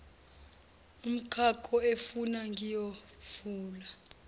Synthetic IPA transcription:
um̩kʰakʰʼɔefunaŋɡʱijo | fuːla

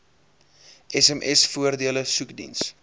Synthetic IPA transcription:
ʔɛsɛmʔɛsfuərdiələsukdḭns

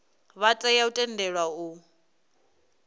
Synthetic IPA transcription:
βatʼɛjautʼɛndɛɺwau

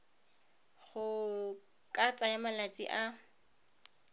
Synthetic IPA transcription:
χʊ | kʼat͡sʼajamalat͡sʼḭʔa

